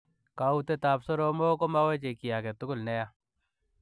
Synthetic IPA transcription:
ka˨u˦te˦ta˨psɔ˦ɾo˦mo˦ko˦ma˦wɛ˦t͡ʃe˨ki˨ja˨kɛ˨tʊ˦kʊ˦lnɛ˦ja˦

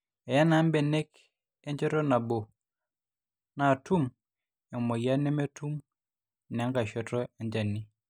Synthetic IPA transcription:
ɛ˨ja˦na˨˦mbɛ˨nɛ˦k | ɛ˦ɲd͡ʒɔ˦tɔ˦na˨bo˨ | na˨tu˦m | a˨mɔ˨ja˦nɛ˦me˦tʰu˦m | n˨a˨˦ŋɡa˨ʃɔ˨tɔ˦ɛ˨ɲd͡ʒa˨ni˦

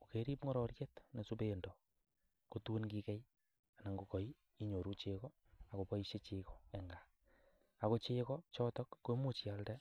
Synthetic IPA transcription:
o˨ke˦ɾi˦pŋɔ˦ɾɔ˨ɾje˦tne˨supe˦ndo˨ | ko˦tu˦nki˦kɛ˦j | a˨na˨ŋɡo˨kɔ˨j | i˦ɲo˨ɾu˦t͡ʃe˧kɔ˦ | a˨ko˨pɔ˦iʃe˦t͡ʃe˨kɔ˦ɛ˨ŋɡa˨ | a˨ko˦t͡ʃe˦kɔ˦t͡ʃɔ˦tɔ˦kːo˦mu˦t͡ʃi˨a˨ldɛ˦

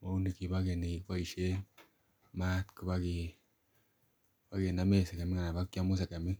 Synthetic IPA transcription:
mo˦u˦ni˨ki˨pa˦ke˨ni˨ki˨kpa˦i˨ʃe˦ | ma˦tku˦pa˦ki˨ | pa˦ke˨na˦me˦˨se˨ka˨mi˦ŋa˨na˨pa˦kːja˦mu˦s̬e˨ka˨mi˦

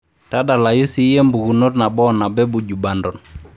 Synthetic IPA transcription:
ta˦da˨la˨ju˦si˦je˦mbu˨ɡu˨no˦tna˨bɔ˦na˨bɛ˦bu˨d͡ʒu˨ba˨ndɔ˨n

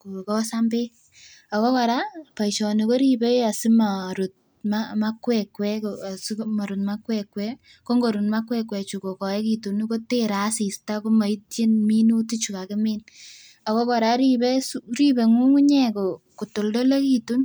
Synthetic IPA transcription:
ku˨kɔ˦sambe˦ | a˨ko˦kɔɾa˦pa˨iʃɔ˨ni˨ko˦ɾibe˦ja˨si˦maɾu˨t̚ | mama˦kwɛkwɛ˦ksma˨ɾut̚ma˦kwɛkwɛ˦ | ko˦ŋɡo˨ɾu˨tma˦kwɛkwɛ˨t͡ʃu˨ko˨kɔ˨e˦kitu˨ni˦ko˦teɾa˨˦si˨sta˦ko˦ma˨i˦tje˦nmi˦nu˦ti˦t͡ʃu˨ka˨kɪmɪ˦n | a˨ko˦kɔ˨ɾa˦ɾi˦be˦sɾi˦be˨ŋu˦ŋu˦ɲɛ˦ko˨ku˨to˨ldo˦le˦ki˦tu˦n

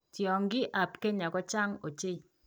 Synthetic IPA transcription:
tjɔ˨ŋɡɪ˦ʔa˨pke˦ɲa˨kɔ˦t͡ʃa˦ŋo˨t͡ʃe˦i˨

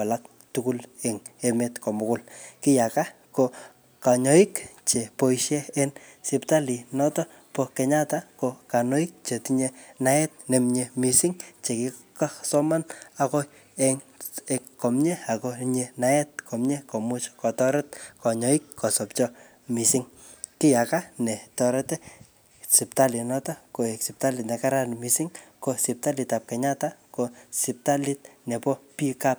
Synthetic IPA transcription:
kwa˨lak̚ | tukuleŋe˧metkɔ˨mʊ˨kʊ˦lkɪ˦jaka˦ | ko | ka˨ɲɔ˦ikt͡ʃe˨po˦iʃɛ˦ensipta˦li˨nɔ˦tɔ | poke˨ɲa˦takoka˨no˦ik̚t͡ʃe˨tiɲena˨ɛ˦t̚ne˨mɲemi˨si˦ŋt͡ʃe˨kika˦sɔ˦manako˦ | eŋekɔ˨mɲe˦a˨koɲenaɛt̚kʰɔ˨mɲe˦kɔ˨mʊt͡ʃkɔ˨tɔɾɛt̚kɔ˨ɲɔ˦ikkːɔ˨sɔpt͡ʃɔ | mi˨sɪŋ | kɪ˦jakanɛ˨tɔɾɛtɛ˦ | si˨p̚ta˦li˨nɔ˦tɔ˦ko˨eksi˨p̚ta˦litnɛ˨kaɾanmi˨si˦ŋko˨sip̚ta˦lita˨p̚kɛ˨ɲatakosi˨p̚ta˦lit̚ne˨pɔ˦pi˦kap̚

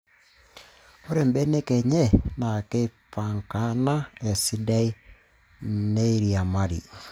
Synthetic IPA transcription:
o˦ɾe˨mbɛ˦ne˦kɛ˨ɲɛ˦na˨ke˦pa˨ŋka˦na˦ɛ˨si˦da˦i˦ | ne˦i˦ɾia˨ma˦ɾḭ˨

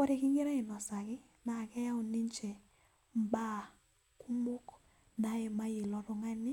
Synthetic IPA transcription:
kɔ˦ɾe˨kɪ˦ŋɪ˦ɾa˦ɪ˨nɔ˨sa˨kɪ˦ | na˨kɛ˦ja˦o˨ni˦ɲt͡ʃɛ˨ | m˦ba˦˨ | ku˦mʊ˦k | na˦ɛ˨ma˦jɪ˨lɔ˨ɾʊ˨ŋa˦nɪ˦

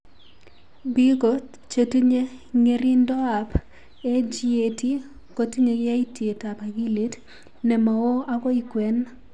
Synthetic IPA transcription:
bi˦ɡo˨t | t͡ʃo˨ti˦ɲe˦ŋe˦ɾi˦ndɔ˦a˨p | e˦d͡ʒi˦e˨ti˦ | ko˨ti˦ɲe˨ɡɪ˦a˦i˦tje˨ta˨pa˨ɡi˦li˦t | nɛ˨ma˨o˦a˦ɡɔ˦i˦kwɛ˨˦n

